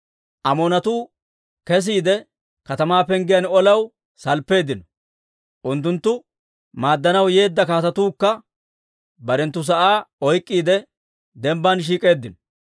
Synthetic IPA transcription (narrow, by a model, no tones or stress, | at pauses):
ʔɐmoːnɐt̪uː | kɛs̬iːd̪ɛ | kɐt̪ɐmaːpɛŋɡɪjɐnɔlɐw | sɐlpːe̞ːd̪ɪnɔ̥ | ʔʊnt̪ːʊnt̪ːʊ | maːd̪ːɐnɐwje̞ːd̪ːɐkaːt̪ɐt̪uːkːɐ | bɐɾɛnt̪ːʊs̬ɐʔaːɔjkʼːiːd̪ɛ | d̪ɛmbːanʃ̬iːkʼe̞ːd̪ːɪnɔ̥